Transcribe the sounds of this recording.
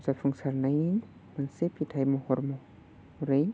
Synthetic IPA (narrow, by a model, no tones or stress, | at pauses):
sapʰuŋsaɾnaj | mansepʰitʰajmɔhɔɾmɔ | ɾɯj